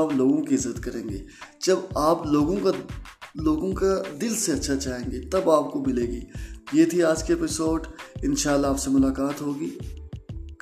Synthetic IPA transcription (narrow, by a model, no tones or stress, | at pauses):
aːploːɡõkiɪzːət̪kɐɾẽːŋɡḛːd͡ʒɐbaːploːɡõkaloːɡõkad̪ɪlseɐtːʃʰat͡ʃaːɦẽːŋɡet̪ɐbaːp̚komɪleːɡḭːjeːt̪ʰiaːd͡ʒkeepɪsoːɖɪnʃaːlːaːpsemʊlaːkaːt̪ɦoːɡiː | k